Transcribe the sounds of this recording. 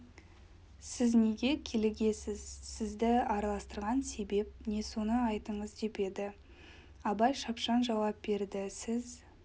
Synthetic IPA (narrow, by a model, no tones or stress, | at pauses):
sɪzne̞ɡʲe̞kʲʰe̞lɪɡʲe̞sɪz̥sɪzd̪ɪɑɾɑlˠɑst̪əɾʁɑnse̞be̞p̚ne̞so̞nəɑjt̪əɴəzd̪e̞pe̞d̪ɪ | ɑbɑjʃɑpʃɑnʒɑwɑp̚be̞ɾd̪ɪsɪz